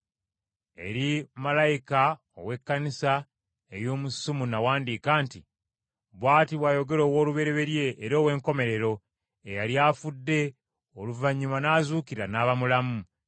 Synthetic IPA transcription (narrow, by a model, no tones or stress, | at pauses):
e̞̰ɾimalajika | o̰we̞kːanisa | eɾjo̞ːmusumunawaːndiːkaːnti | βwaːtiβwajo̞ɡe̞lo̞ːwo̞ːluβe̞ɾe̞βe̞ɾje̞ːɾo̞ːwe̞ːŋko̞me̞ɾe̞ɾo̞ | ejaljaːfudːe̞ | oluvaɲːumanaːzuːkiɾanaːβamulamu